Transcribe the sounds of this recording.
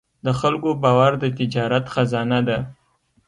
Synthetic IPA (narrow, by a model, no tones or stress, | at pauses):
d̪əxalkobɑwaɾd̪ət̪ɪd͡ʒɑɾat̪xazɑnad̪a